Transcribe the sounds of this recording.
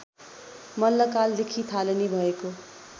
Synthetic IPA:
mʌnːʌkald̪ekʰit̪ʰalenibʱʌeko

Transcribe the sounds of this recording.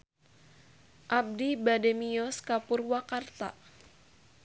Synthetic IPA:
ʔab̚dibademiɔskapurwakart̪a̰

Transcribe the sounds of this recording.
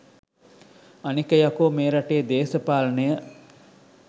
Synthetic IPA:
ɐnikɐjakoːmeːɾɐʈeːd̪eːsəpaːlənəjə

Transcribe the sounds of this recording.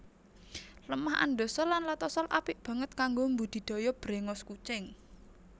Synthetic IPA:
ləmaha̰nɖo̤sɔlːanlat̪ɔsɔlʔapɪʔb̥ä̤ŋət̪̚kaŋɡombud̪̥i̤d̪̥o̤jɔb̥ɾeŋɔskut͡ʃɪŋ

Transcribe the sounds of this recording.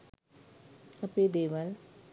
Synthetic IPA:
ɐped̪eːʋɐl

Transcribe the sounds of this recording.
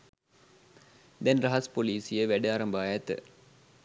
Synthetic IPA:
d̪ɛnrɐɦɐspoliːsijəʋæɖəaːɾɐmbaːjæt̪

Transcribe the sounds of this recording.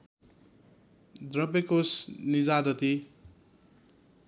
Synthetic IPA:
d̪rʌbekosnid͡zad̪ʌt̪i

